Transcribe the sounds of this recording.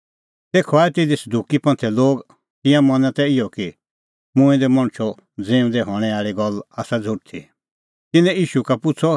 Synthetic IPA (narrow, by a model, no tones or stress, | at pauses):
t̪eːkʰɔaːɛt̪ɪd̪isɐd̪uːkipɐ̃nt̪ʰɛloːɡ | t̪ɪ̃jãmɐnãt̪ɛɪjɔki | mʊ̃ĩd̪ɛmɐ̃ɽ̃t͡ʃʰɔ | d͡zẽːũd̪ɛɦɔɽ̃ɛ̃aːɭiɡɔlaːsad͡zʱʊʈ̚t̪ʰḭ | t̪ɪnɛ̃iːʃukapʊt͡sʰɔ